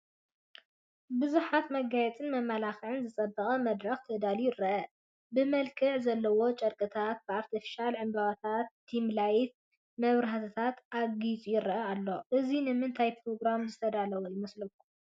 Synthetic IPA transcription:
bɨzuħat̪mɐɡajɛt͡sʼɨnmɐmːalaxʕɨnzɨt͡sʼɐd̪ɐχʼɐmɐd̪ɾɐxt̪ʰɐd̪alujɪɾɐʔɐ | bɨmɐlkʰɨʕzɐlːɐwo̞t͡ʃʼɐɾkʼɨt̪ʰat̪̚bɨaɾt̪ʰifi̥ʃalʕɨmbaβat̪ʰat̪ːimlajt̪̚ | mɐβɾɐat̪ʰɨt̪ʰat̪ʔaɡit͡sʼujɪɾɐʔɐalːo̞ʔɨzinɨmɨnt̪ʰajpɾo̞ɡɾamzɨt̪ʰɐd̪alɐwojɪmɐslɨku

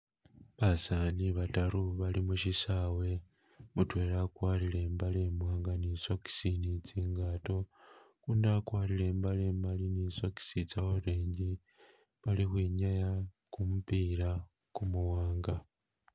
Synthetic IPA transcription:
βasaniβataɾuβalimuʃisawe̞ | mutwe̞ːɾakwaːɾile̞ːmbale̞mwaːŋɡaniso̞ki̥sinit͡siːŋɡato̞ | kuːndakwaːɾile̞ːmbale̞ːmaliniːsoki̥sit͡sawoɾeːɲɟi | βalixwiːɲaja | kumupiːɾa | kumuwaːŋɡa

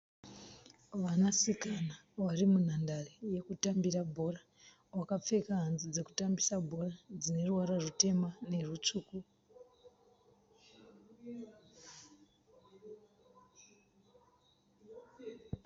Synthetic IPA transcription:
ʋanasikanawarimun̤andareje̞kutambirabʱo̞ra | wakap͡fe̞kaɦanzid͡ze̞ku̥tambisabʱo̞rad͡zine̞ruwaɾarute̞mane̞rut͡ʂuːku

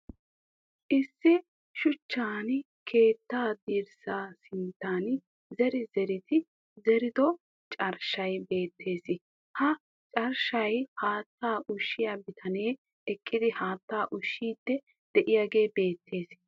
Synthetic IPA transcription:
ʔɪsːɪ | ʃʊt͡ʃːaːn | kʰe̞ːt̪ːaːd̪iːɾsaːsɪnt̪ːaːn | zɛɾɪzɛɾɪt̪ɪ | zɛɾɪd̪ɔ | t͡ʃʼɐɾʃɐjbe̞ːt̪ʰːe̞ːsɪ | hɐ | t͡ʃʼɐɾʃɐjhaːt̪ːaːʔʊʃːɪjabɪt̪ʰɐne̞ː | ɛkʼːɪd̪ɪhaːt̪ːaːʔʊʃːiːd̪ːɛ | d̪̥ɛʔɪjaːɡe̞ːbe̞ːt̪ʰːe̞ːs

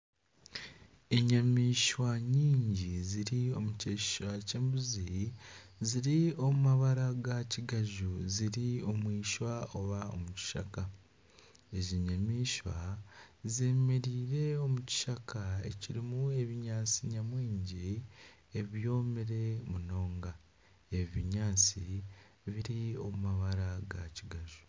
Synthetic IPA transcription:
eɲamiːʃwaɲiːɲɟiziɾio̞muceʃi̥ʃwace̞ːmbuzi | ziɾio̞mumaβaɾaɡaciɡaʒuziɾio̞mwiːʃwaoβao̞̰muci̥ʃa̰ka | e̞ziɲamiːʃwa̰zeːmeɾiːɾe̞o̞muci̥ʃakʰaḛciɾimue̞βiɲaːt͡siɲamwiːɲɟi | eβjo̞ːmeɾe̞muno̞ːŋɡa | e̞βiɲaːt͡si | βiɾio̞mumaβaɾaɡaciɡaʒu

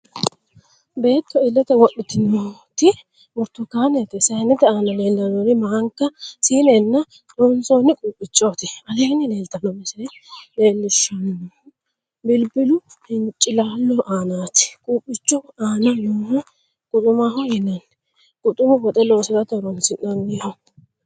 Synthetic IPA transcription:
be̞ːt̪ːɔɪlːɛt̪ɛwɔɗːɪt̪ɪnot̪ɪ | mʊɾt̪ːɔkaːnɛt̪ɛsɐnɪt̪ɛaːnɐle̞ːlːɐnoːnɪmɐɐŋkːɐsiːnɛnːɐ | ɾonsoːnɪkʼuːpʼːɪt͡ʃʼːoːt̪ɪɐleːnɪle̞ːlt̪ɐnɔɪsɛleːlːɪʃːɐn | bɪlbɪlʊ | hɪnt͡ʃʼːɪlaːlːɔʔaːnaːt̪ɪ̥kʼuːpʼːɪt͡ʃːɔaːnɐjoːhʊ | kʼʊt̪ʼʊmaːɦɔjɪnɐn | kʼʊt̪ʼʊmʊbɔt̪ʼɛloːsɔt̪ɐt̪ɔɾɔnsɪnɔnːɪɔ

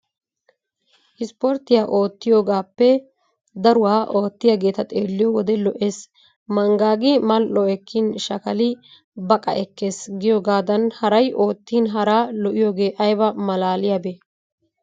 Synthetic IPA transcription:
ʔɪspɔɾt̪ɪjaːʔo̞ːt̪ːɪjo̞ːɡaːpːɛ | d̪ɐɾʊwaːʔo̞ːt̪ːɪjaɡe̞ːt̪ɐt̪ʼḛːlːɪjɔwɔd̪ɛlɔʔeːs | mɐŋɡaːɡɪmɐlʔɔɛkʰːɪnʃɐkɐlɪ | bɐkʼɐ̰ʔɛkːe̞ːsɡɪjoːɡaːd̪ɐnhɐɾɐjʔo̞ːt̪ːinɦɐɾaːlɔʔɪjo̞ːɡe̞ːʔɐjbɐmɐlaːlɪjabeː

